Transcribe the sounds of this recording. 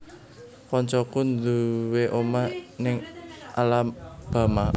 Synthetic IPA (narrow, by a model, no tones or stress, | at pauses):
kɔɲt͡ʃɔkund̪uweʔomanɪŋʔalamb̥a̤ma